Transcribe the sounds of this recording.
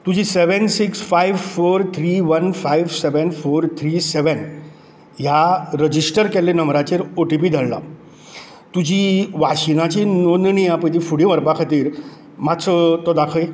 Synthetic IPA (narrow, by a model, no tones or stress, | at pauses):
t̪ud͡ʑiːseʋənsiksfajʋfoɾt̪ʰɾiʋənfajʋseʋənfoɾt̪ʰɾiːsɛʋən | jaɾəd͡ʑisʈəɾkɛlenəmɾat͡ɕeɾoʈipiːd̪ʱəɭla̰ | t̪ud͡ʑiːʋaɕinat͡ɕinonnijãpət̪̬ifuɽĩʋəɾpakʰat̪iːɾ | masɔt̪ɔd̪akʰəj